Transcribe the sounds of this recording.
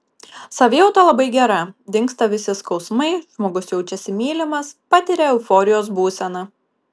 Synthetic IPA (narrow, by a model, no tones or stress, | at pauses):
sɐʋʲeːɛʊt̪ɐlˠɐbɐɪɡʲɛɾɐd̪ʲɪŋkst̪ɐʋʲɪsʲɪskɒʊsmɐɪʒmoːɡʊsjɛʊt͡ʃʲɛsʲɪmʲeːlʲɪmɐspɑt̪ʲɪɾʲɛɛʊfoːɾʲɪjoːs̬buːsʲɛnɐ